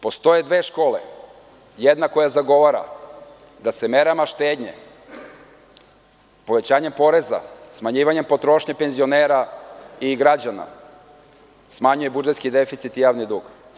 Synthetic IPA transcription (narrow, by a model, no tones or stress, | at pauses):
po̞st̪o̞jed̪ʋeːʃko̞ːlḛ | jed̪nako̞jazaɡo̞ʋaɾa̰ | d̪aseme̞ɾamaʃt̪eːd̪ɲḛ | po̞ʋe̞t͡ɕaːɲempo̞ɾe̞za̰smaɲiːʋaɲe̞mpo̞t̪ɾo̞ʃɲapenzio̞neːɾaiɡɾad͡ʑana̰ | smaɲuje̞bud͡ʒet̪skid̪e̞fit̪sit̪ijaːʋnid̪uːɡ